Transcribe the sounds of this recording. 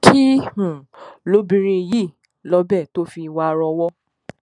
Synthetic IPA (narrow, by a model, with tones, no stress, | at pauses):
kʰi˦hũ˨lo˨˦bĩ˧ɾ̃ĩ˧ji˦˨ | lɔ˨˦bɛ˦˨to˦fi˧wa˧ɾɔ˧wɔ˦